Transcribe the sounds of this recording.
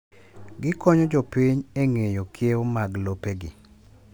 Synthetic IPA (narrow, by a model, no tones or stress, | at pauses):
ɡɪkɔɲɔd͡ʒopiɲeŋejokʰjewomaɡlopeɡɪ̰